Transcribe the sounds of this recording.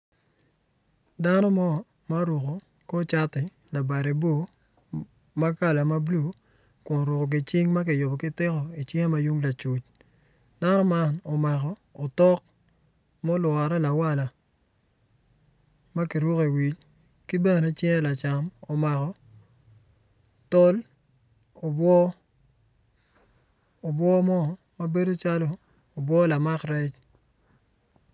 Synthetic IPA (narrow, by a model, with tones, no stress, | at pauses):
da˦nɔ˦mɔ˦˨ | ma˦ɾu˨ko˨ | ko˦t͡ʃa˦tɪ˨ | la˨ba˨ɾe˨bo˦ | ma˦ka˦la˨ma˦blu˦ | kʊ˨n˨ɾu˨ko˨ɡ̬ɪ˨t͡ʃi˦ŋma˦k̬ɪ˨jʊ˨bɔ˨kɪ˦tɪ˦kɔ˨i˨t͡ʃɛ˦e˦ma˦ju˦ŋla˨t͡ʃu˨t͡ʃ | d̥a˦nɔ˦ma˦nɔ˨ma˨kɔː˨tɔ˦k̚ | mɔ˦lwa˨ɾɛ˦la˨wa˦la˨ | ma˦ki˨ɾu˦ke˨wi˨t͡ʃ | kɪ˦be˦no˨ne˦t͡ʃɛ˦ɛ˦la˨t͡ʃa˨mo˨ma˨kɔ˨ | to˦l | o˨bwɔ˦ | o˨bwɔ˦mɔ˦ | ma˦be˦do˦t͡ʃa˦loː˨ | bwɔ˦la˨ma˦kɾɛ˦t͡ʃ